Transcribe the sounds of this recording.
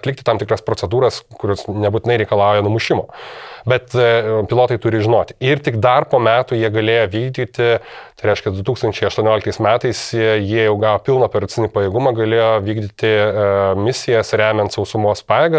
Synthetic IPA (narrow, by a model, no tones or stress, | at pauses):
t̪lʲɪkt̪ʲɪt̪ɐmt̪ʲɪkrɐspɾoːt͡ssʲɛd̪uːɾɐskʊɾʲʊsnʲɛbuːt̪ʲɪnɐɪɾʲɛɪkɐlˠɑˑʊjɛnʊmʊʃʲɪmoːbʲɛt̪pʲɪlˠoːt̪ɐɪt̪ʊɾʲɪʒʲɪnoːt̪ʲɪɪrt̪ʲɪkd̪ɐrpoːmʲæːt̪uːjiɛɡɐlʲeːjoːʋʲiːɡd̪ʲiːt̪ʲɪt̪ɐɪɾʲɛɪʃkʲɛd̪ʊt̪uːkst̪ɐnʲt͡ʃʲɛɪɐʃt̪uɔnʲoːlʲkt̪ɐɪsmʲæːt̪ɐɪsjjiɛjɛʊɡɑːʋoːpʲɪlˠnoːpʲɛɾɐt̪t͡s̪ʲɪnʲipɐjeːɡʊmɐɡɐlʲeːjoːʋʲiːɡd̪ʲit̪ʲɪmʲɪsʲɪjɛsɾʲæːmʲɛnt̪sɐʊsʊmoːspɑːjɛːɡɐ